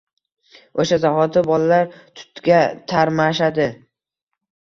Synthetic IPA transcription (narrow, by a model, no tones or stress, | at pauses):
oʃazaɦɒt̪ʰɪbɒlalaɾt̪ʰʊ̥t̪ɡʲat̪ʰaɾmaʃad̪ɪ